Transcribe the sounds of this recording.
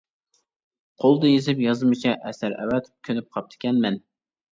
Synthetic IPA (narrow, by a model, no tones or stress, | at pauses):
qʰolˠd̪ɨjezɪpjɑzmɨt͡ʃʰɛʔɛsæɾɛ̰wɛt̪kʲʰønɪp̚qʰɑp̚t̪ʰɪ̥kʲɛnmɛn